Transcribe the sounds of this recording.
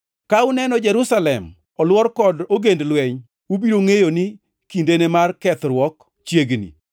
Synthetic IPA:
kaʊnɛnɔd͡ʒɛɾʊsalɛm | ɔlwɔrkɔdoɡendlwɛɲ | wubiɾoŋejonɪ | kindenemarkɛt̪ɾwɔk | t͡ʃjeɡnḭ

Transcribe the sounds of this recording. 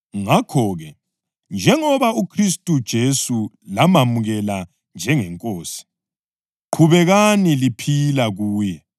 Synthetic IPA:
ŋakʰɔːɣɛ | nd͡ʒʱɛŋɔβaukʰristʼud̥ʒ̥ʱesu | lamamuɣɛla | nd͡ʒʱɛŋɛŋkʼoːsi̥ | ǃʰuβɛɣanilipʰilaɣuːjɛ

